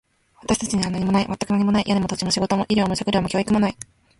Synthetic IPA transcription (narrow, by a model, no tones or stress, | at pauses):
βat̪aɕi̥t̪ḁt͡ɕiɲ̟iβanaɲ̟imo̞naimat̪ːakɯnaɲ̟imo̞naijʔaɲimo̞t̪o̞t͡ɕimo̞ɕiɡo̞t̪o̞mo̞ʔiɾʲoːmoɕakɯɾɯmo̞kʲo̞ːikɯ̟mo̞nai